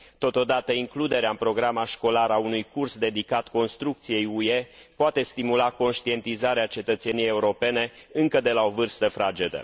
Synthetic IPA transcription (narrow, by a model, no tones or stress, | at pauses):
t̪o̞t̪o̞d̪at̪əiŋklud̪e̞ɾeaɨmpɾo̞ɡɾamaʃko̞laɾaunujkursd̪e̞d̪ikat̪ko̞nst̪ɾuk̚t̪sije̞juepoat̪e̞st̪imulako̞nʃt̪ie̞nt̪izaɾeat͡ʃe̞t̪ət̪se̞nijeje̞uɾo̞pe̞ne̞ɨŋkəd̪e̞lao̞vɨrst̪əfɾad͡ʒed̪ə̰